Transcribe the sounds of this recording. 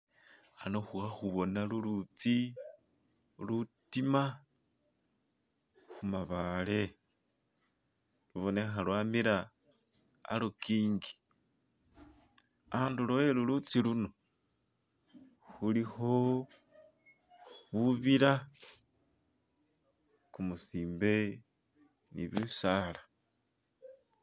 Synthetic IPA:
anoxuxaxuβo̞nalulut͡si | lutima | xumaβale̞ | luβo̞nexalwamiɾaː | lokiːŋɡi̥ | aːnduloelulut͡siluno̞ | xuliho | βuβiɾa | kumusiːmbe̞ | nḭβusalḁ

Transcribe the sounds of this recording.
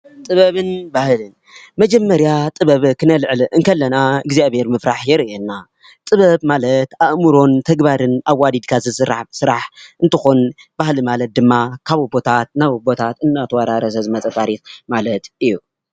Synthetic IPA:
t̪ʼɨβɐβɨnbahlɨn | mɐd͡ʒɐmːɐɾjat̪ʼɨβɐβkʰɨnɐlʕlɨʔɨnkʰɐlːɐnaɨɡzijaβheɾmɨfɾaħjɛɾienːa | t̪ʼɨβɐβmalɐt̪aʔmuɾo̞nt̪ʰɐɡbaɾɨnʔaβwːad̪id̪kʰazɨsɨɾaħsɨɾaħɨnt̪ʰɨxonb̥ahlɨmalɐt̪̚d̪ɨmːakʰaβbo̞t̪ʰat̪̚naβɨbo̞t̪ʰat̪ɨnːat̪ʰɐwaɾaɾɐsɐzɨmɐt͡sʼɐt̪ʰʼaɾit̪malɐt̪ɨjːu

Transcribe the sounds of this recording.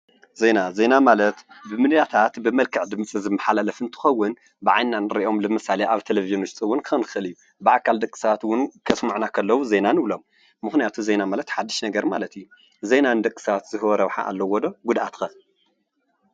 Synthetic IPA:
ze̞naze̞namalɐt̪bɨmɨnjat̪ʰat̪bɨmɐlkʰɨʕd̪ɨmt͡sʼizɨmːɐħalalɐfɨnt̪ʰɨ̥xɐwːʊn | bɨʕajnːanɨɾiʔo̞mlɨmɨsaleʔaβt̪ʰeleviʒɨnʊʃt͡s̪ʼɨwʊnkʰɨxɐnkʰɨxɨliju | bɨʔakʰːald̪ɐkʼi̥saat̪wʊnkʰɐsmuʕnakʰɐlːɐwuze̞nanɨβlo̞mː | ɨxnijat̪ʰuze̞namalɐt̪ħad̪ːiʃnɐɡɐɾma̰lɐt̪ijːu | ze̞nanɨd̪ɐkʼːɨ̥sɐat̪z̥ɨhɨwɔɾɐβħa̰ʔa̰lːɐwɔd̪o̞ɡud̪ʔat̪xɐ

